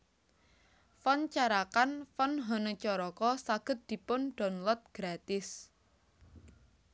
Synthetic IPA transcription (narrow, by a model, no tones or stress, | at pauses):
fɔnt͡ʃaɾakanfɔnɦɔnət͡ʃɔɾɔkɔsaɡ̥ə̤t̪̚d̪̥i̤pʊnɖ̥ɔ̤nlɔt̪̚ɡ̥ɾat̪ɪs